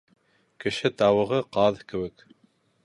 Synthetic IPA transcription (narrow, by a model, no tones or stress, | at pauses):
kɘ̆ʃɘt̪ɑwɤ̆ʁɤqɑðkɘ̆wɘk